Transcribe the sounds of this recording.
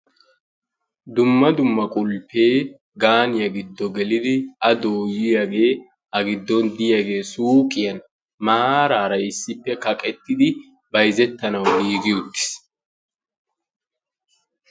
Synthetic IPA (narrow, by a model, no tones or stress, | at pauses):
d̪ʊmːɐd̪ʊmːɐkʼʊlpːe̞ː | ɡaːnɪjɐɡɪd̪ːɔɡɛlɪd̪ɪɐd̪o̞ːjɪjɐɡe̞ː | ɐɡɪd̪ːɔnd̪ɪjɐɡe̞ːsuːkʼɪjɐn | maːɾaːɾɐɪsːɪpːɛkɐkʼɛt̪ːɪd̪ɪ | bɐjzɛt̪ːɐnɐwdiːɡɪjʊd̪ːɪ̥s